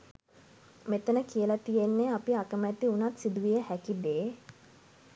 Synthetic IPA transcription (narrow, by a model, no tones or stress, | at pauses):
met̪ənəkijəlat̪ijenːeapiakəmæt̪iunat̪sid̪uʋijəhækid̪eː